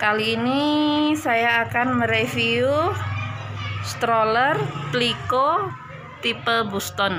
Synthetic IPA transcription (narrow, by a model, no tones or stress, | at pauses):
kaliːnisajaːkanməɾefiu | st̪ɾolərpliko | t̪ipəlbust̪ɔn